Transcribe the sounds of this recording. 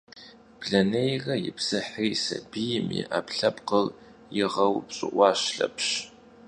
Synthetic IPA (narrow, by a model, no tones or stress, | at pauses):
b̥ɮɐnejrɐjɪpʰsɨħijsɐbijɪmḭʔapʰɬɐpqəl | jɪʁɐwpɕʼɨʔʷɑːʃɬɐ̰pʰʃ